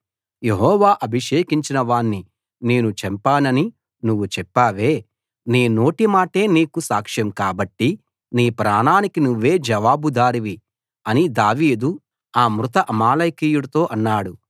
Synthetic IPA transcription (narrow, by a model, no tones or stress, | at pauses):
je̞ɦɔːʋaːʔɐbʱiʂeːkiɲt͡ʃinɐʋaːɳːi | ne̞ːnut͡ʃɛmpaːnɐni | nuʋːut͡ʃɛpːaːʋe̞ː | niːno̞ːʈimaːʈe̞ːniːkusaːkʂjɐmkaːbɐʈːi | niːpɾaːnaːnikinuʋːe̞ːd͡ʒɐʋaːbud̪aːɾiʋi | ɐnid̪aːʋiːd̪u | aːmɾut̪ɐʔɐmaːlɐjkiːjuɽɐt̪o̞ːʔɐnːaːɽu